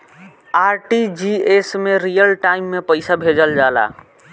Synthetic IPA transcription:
aːɾʈid͡ʒiesmẽɾijəlʈaɪimːepəɪsabʱed͡ʒəld͡ʒaːla̰

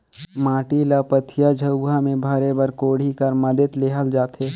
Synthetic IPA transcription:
maːʈilapət̪ʰijad͡ʒʱəamẽbʱaːɾebəɾkoːɽ̤ikəɾməd̪ət̪leːɦəld͡ʒaːt̪ʰeː

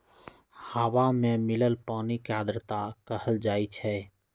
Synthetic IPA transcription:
haʋamemɪləlpaːnikad̪ɾət̪akəɦəld͡ʒaːit͡ʃʰɛ

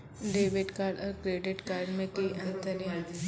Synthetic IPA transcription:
ɖeːʋɪʈkaːɾɖɔːɾkɾeːɖɪʈkaːɾɖmẽt̪iʔɐ̃nt̪əɾjã

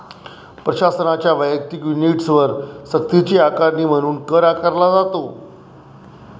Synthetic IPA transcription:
pɾəɕasənat͡ɕjaʋəjək̚t̪ikʋiniʈsʋəɾsək̚t̪it͡ɕiːakaɾniːm̤əɽ̃uːnkəɾakaɾlad͡zat̪o

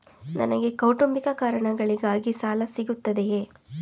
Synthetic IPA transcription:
nɐ̰nɐɡe̞kɐwʈumbikɐkaːɾɐɳɐɡɐɭiɡaːɡisaːlɐsiɡut̪ːɐd̪ejeː

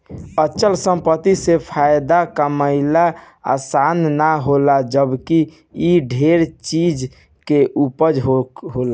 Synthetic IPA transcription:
ət͡ʃəlsə̃mpət̪isepʰajd̪akaməɪla | a̰sannaɦolad͡ʒəbki | iɖʱeɾt͡ʃid͡ʒ | keʔupəd͡ʒɦoɦola

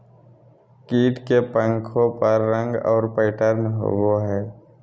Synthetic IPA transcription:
kiːʈkepə̃ŋkʰõpəɾːə̃ŋɡɔ̰ːɾpəɪʈəɾnɦo̰ɡoɦɛː

